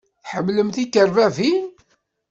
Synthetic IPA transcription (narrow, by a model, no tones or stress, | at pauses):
θħəmːləmθikːəɾvævi